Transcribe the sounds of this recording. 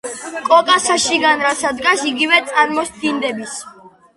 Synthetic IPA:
kʼɔkʼasaʃiɡanɾasad̪ɡasiɡivɛt̪sʼaɾmɔsd̪ind̪ɛbis

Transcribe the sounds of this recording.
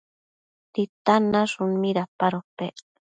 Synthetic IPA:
t̪it̪anaʐʊnmiɾapaɾope

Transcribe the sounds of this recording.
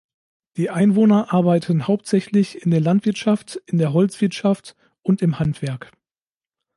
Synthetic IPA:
d̥iːʔaɪnvoːnɐʔaɐbaɪtʰənhaʊp̚tz̥ɛçlɪçɪndeːɐlantv̥ɪɐtʃaftɪndeːɐɦɔlt͡sv̥ɪɐtʃaft | ʔʊntɪmhantv̥ɛɐk

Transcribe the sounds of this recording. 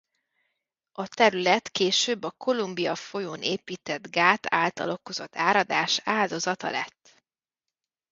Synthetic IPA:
ɒt̪ɛɾylɛt̪keːʃøːbːɒkʰo̞lumbijɒfo̞joːnʔeːpiːt̪ɛd̪ɡaːt̪aːlt̪ɒ̰lo̞ko̞zo̞t̪ːaːɾɒd̪aːʃaːld̪o̞zɒt̪ɒ̰lɛ̰t̪ː

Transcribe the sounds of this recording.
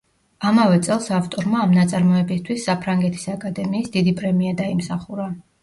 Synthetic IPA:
amavɛt̪sʼɛlˠsaft̪ʼɔɾmaːmnat̪sʼaɾmɔɛbist̪ʰwisːapʰɾaŋɡɛt̪ʰi̥sakʼad̪ɛmiːsd̪id̪ipʼɾɛmiad̪aimsaχuɾa

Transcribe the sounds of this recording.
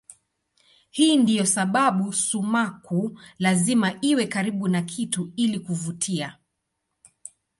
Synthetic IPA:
hiːndijɔsaɓaɓusumakʰulazimaʔiwɛkaɾiɓunakʰituilikuvutʰia

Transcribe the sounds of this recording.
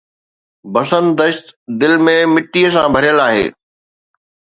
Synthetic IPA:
bɐsənd̪əʃt̪d̪ɪlmẽmɪʈːiəsãbʱɐɾijəlaːɦḛː

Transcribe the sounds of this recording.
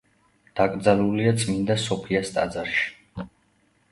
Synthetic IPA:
d̪̥akʼɾd̪zaluliat̪sʼmind̪asɔpʰiast̪ʼa̰d̪zaɾʃi̥

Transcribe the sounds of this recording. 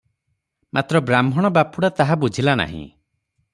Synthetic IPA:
mʔat̪ɾɔbɾamʱɔɽ̃ɔbapuɽat̪aɦabud͡ʒʱilana̰ɦḭ̃

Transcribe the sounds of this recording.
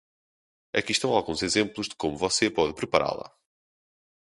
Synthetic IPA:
ɐkiʃt̪ɐ̃w̃alˠɣũzezẽmplˠuʒðɨkomuvɔsepɔðpɾɨpɐɾa̰lˠɐ̰

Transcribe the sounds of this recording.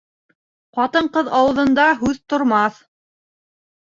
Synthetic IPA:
qɑt̪ɤɴqɤðɑwɤ̆ðɤ̆nd̪ɑɦʉðt̪ŏɾmɑθ

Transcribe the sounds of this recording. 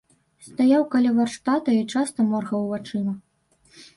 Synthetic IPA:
st̪ajawkalʲɛvarʂt̪at̪ɐit͡ʂast̪ɐmɔrɣɐwvat͡ʂɨmɐ

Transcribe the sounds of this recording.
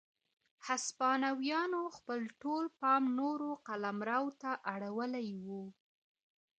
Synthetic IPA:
haspɑnawjɑnoxpəlʈolpɑmnoɾoqalamɾɑwt̪aʔaɽawəlajwu

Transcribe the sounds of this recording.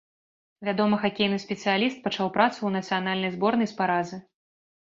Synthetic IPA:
vʲad̪ɔmɐxakʲejnɨsʲpʲɛt̪sɨjalʲist̪̚pɐt͡ʂawpɾat̪suwnɐt̪sɨjanalʲnɐjzbɔrnɐjspaɾazɨ

